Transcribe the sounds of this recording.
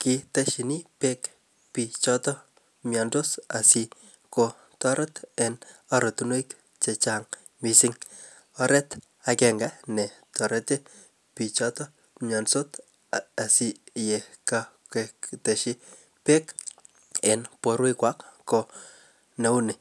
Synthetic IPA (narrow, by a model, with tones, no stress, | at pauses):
ki˧ta˦ʃi˨ni˦pe˦k | pi˨t͡ʃɔtɔ | mjɔ˨ndo˦sa˨si | ko | tɔ˦ɾʔɛ˦tɛna˨ɾo˨tunwo˦ik | t͡ʃe˧t͡ʃaŋ | mi˨sɪŋ | ɔɾɛ˦t | akɛŋɡa˦ne˨tɔ˨ɾɛ˦te˦ | pi˨t͡ʃɔ˦tɔ˦ | mjɔ˨nso˦t | a˨si˦je˨kakete˨ʃi˦ | pe˦k | e˨npo˦ɾwe˦kwa˦kːo | ne˦u˦ne˨